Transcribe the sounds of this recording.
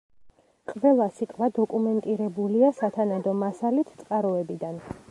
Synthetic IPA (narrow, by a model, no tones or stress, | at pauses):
qʼvɛlˠasit̪ʼwad̪ɔkʼumɛnt̪ʼiɾɛbuliasat̪ʰanad̪ɔmasalit̪ʰt̪sʼqʼaɾɔɛbid̪an